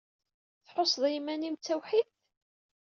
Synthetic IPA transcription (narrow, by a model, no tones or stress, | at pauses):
θħosˤðˤimænimt͡sːæwħiθ